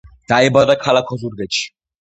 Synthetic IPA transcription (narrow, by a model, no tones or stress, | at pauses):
d̪̥aɛbad̪akʰalakʰɔzuɾɡɛt̪ʃi̥